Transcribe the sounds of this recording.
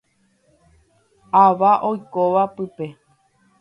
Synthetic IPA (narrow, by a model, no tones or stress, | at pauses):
aʋaʔojkoʋapɨpe̞